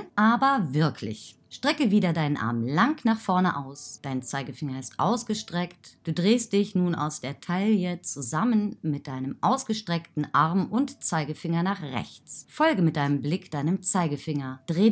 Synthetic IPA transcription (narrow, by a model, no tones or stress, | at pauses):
ʔaːbɐvɪɐkʰlɪ̰ç | ʃtʁ̥ɛkəviːdɐdaɪnənʔa̰ɐmlaŋknaːχfɔɐnəʔaʊsd̥aɪnt͡saɪɡəfɪŋɐɪstʔa̰ʊsɡ̥əʃtʁ̥ɛktd̥uːdʁeːst̚d̥ɪçnuːna̰ʊsd̥eːɐtʰaɪljət͡suzamənmɪt̚d̥aɪnəmʔaʊsɡ̥əʃtʁ̥ɛktn̩ʔaɐmʊntt͡saɪɡəfɪŋɐnaːχʁɛ̰çt͡sfɔlɡəmɪt̚d̥aɪnəmblɪkd̥aɪnəmt͡saɪɡəfɪŋɐd̥ʁeː